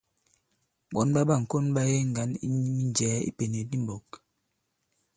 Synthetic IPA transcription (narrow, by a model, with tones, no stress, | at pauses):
ɓɔ˨˦nɓa˦ɓa˦˨ŋ̩˨ko˦nɓa˦je˦ŋ̩˨ɡa˨˦nḭ˦ɲ˦mi˦n˦d͡ʒɛː˨˦ḭ˦pe˨ne˨di˦m̩˦bɔ˨k